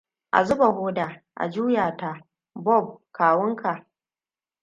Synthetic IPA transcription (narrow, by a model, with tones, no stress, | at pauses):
ʔa̰˨zʊ˦ba˨hoː˦daː˨ | ʔa̰˨d͡ʒuː˦jaː˨ta˦ | bɔ˦˨b̚kaː˨wʊ˦ŋkʰa˨ʔ